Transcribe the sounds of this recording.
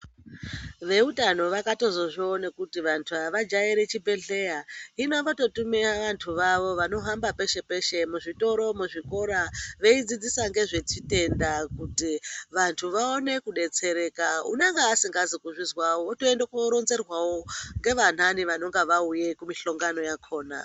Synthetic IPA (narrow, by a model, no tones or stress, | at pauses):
ʋe̞utano̞ʋakato̞zoʐionekutiʋantʰuaʋad͡ʒajiɾet͡ʃibʱe̞ɮe̞jainoʋato̞tumiaʋantʰuʋaʋo̞ʋano̞ɦambape̞ʃe̞pe̞ʃe̞muʐito̞ɾo̞muʐiko̞ɾaʋe̞id͡zid͡zisaŋɡe̞ʐe̞t͡ʃite̞ndakutiʋantʰuʋao̞ne̞kuɗe̞t͡se̞ɾe̞ːkaṵneŋɡeːsiŋɡazikuʐizwawoːtoendakoɾo̞nze̞rwawoŋɡe̞ʋan̤aniʋano̞ŋɡeʋauje̞kumiɬo̞ŋɡano̞jakʰo̞ːna̰